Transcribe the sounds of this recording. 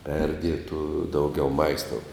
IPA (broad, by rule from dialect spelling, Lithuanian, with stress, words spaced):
ˈpʲɛrʲdʲiɛtuː ˈdɐʊɡʲɛʊ ˈmɐɪstoːʊ